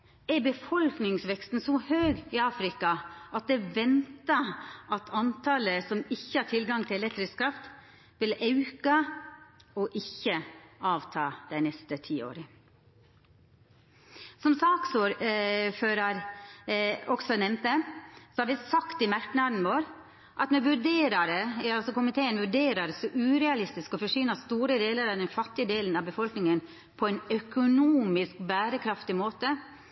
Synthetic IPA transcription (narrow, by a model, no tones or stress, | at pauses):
ɛɾbəfɔlknɪŋsʋɛkst̪n̩sɔhøːɡɪɑːfɾɪkɑɑt̪̚d̪ɛʋɛnt̪əʔɑt̪ʰɑnt̪ʰɑːləsɔmɪçːəhɑːʈʰɪlɡɑŋt̪ʰɪlɛlɛkt̪ɾɪskʰɾɑft̪ | ʋɪlɑʉkɑ | ɔʔɪçːəɑːʋt̪ʰɑːd̪̥æɪnɛst̪ət̪ʰiːo̰ːɾə | sɔmsɑːksoːɾføːɾɑɾ | ɔksɔnɛmt̪əsɔhɑɾʋɪsɑkt̪ɪmæʈɳɑd̪n̩ʋoːɾ | ʔɑt̪mɛʋʉɖeːɾɑɾəɑlsɔkʊmɪt̪ʰeːənʋʉɖeːɾɑɾəsɔʔʉːɾɛɑlɪst̪ɪskɔfɔʂʏnɑst̪uːɾəd̪eːləɾɑd̪ɛnfɑt̪ːɪəd̪eːln̩ɑʋbəfɔlknɪŋən | pʰɔɛɪnœkʊnuːmɪskbæːɾəkʰɾɑft̪ɪmoːt̪ə